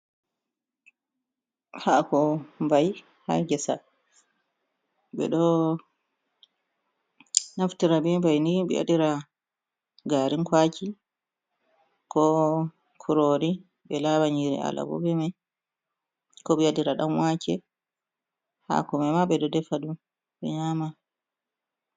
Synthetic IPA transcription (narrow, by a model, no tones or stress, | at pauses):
hakɔmbaj | ha̰ɡɛsa | ɓɛ̰ɗɔ | naftiɾabimbajnibḭʔa̰diɾa | ɡaɾinkwaːki | kɔ | kʰuɾoːɾi | bɛlabaɲiɾḭa̰la̰bɔ̰bɛma | kɔɓiadiɾaɗamwakɛ | ha̰kɔmɛmaɓɛɗɔdɛfaɗum | bɛɲaːma